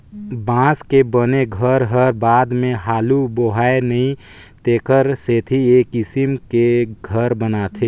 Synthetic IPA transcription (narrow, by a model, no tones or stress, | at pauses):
bãːskebəneɡʱəɾɦəɾbaːd̪mẽɦaːluboɦaenəĩ | t̪eːkəɾseːt̪ʰieːkɪsimkeɡʱəɾbənat̪ʰe